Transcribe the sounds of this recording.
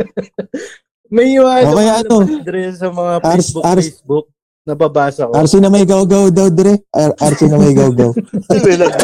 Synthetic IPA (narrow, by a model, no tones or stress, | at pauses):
mɐiwaʔokɐjaʔɐnod̪ɾɛsɐmɐŋaaɾsbaɾsbʊk̚ | nɐbaːbaːsɐkʔaɾsinɐmɐjɡawɡawd̪ɐwd̪ɛɾɛʔʔaɾsinɐmɐjɡɐwɡɐwpɪlɐ